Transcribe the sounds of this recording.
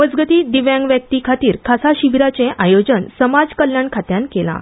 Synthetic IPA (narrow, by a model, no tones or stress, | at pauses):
məd͡zɡət̪iːd̪iʋjãŋɡʋjək̚t̪ikʰat̪iːɾkʰasaɕiʋiɾat͡sẽʔajod͡ʑənsəmad͡zkəljaɳkʰat̪jankela̰